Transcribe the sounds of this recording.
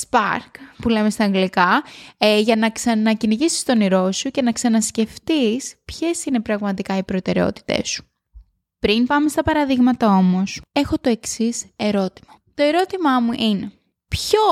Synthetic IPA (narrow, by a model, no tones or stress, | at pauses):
spɐ̰ɾkpule̞mest̪ɐːŋɡlikɐ | ʝɐnɐksɐnɐciniʝisi̥st̪o̞niɾo̞suce̞nɐksɐnɐsce̞ft̪ispçe̞sine̞pɾɐɣmɐt̪ikɐipɾo̞t̪e̞ɾe̞o̞̰t̪i̥t̪e̞̰su̥ | pɾinpɐme̞st̪ɐpɐɾɐðiɣmɐt̪ɐo̞mo̞se̞xo̞t̪o̞e̞ksise̞ɾo̞t̪i̥mɐt̪o̞e̞ɾo̞t̪imɐmuʔine̞ | pço